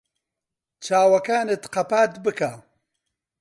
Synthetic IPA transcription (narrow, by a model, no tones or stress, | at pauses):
t͡ʃʰaːwɐkaːnɨt̪qɐpaːt̪bɨka